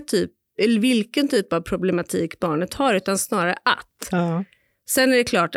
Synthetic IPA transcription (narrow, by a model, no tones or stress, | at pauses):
t̪ʰyːp | ɛlːəɾvɪlkənt̪ʰyːpavpʰɾʊblɛmat̪ʰiːkbɑːɳət̪haɾʉ̟ːt̪ansnɑːɾaɾəʔa̰t̪ː | sɛnːæɖɛkʰlɑːʈ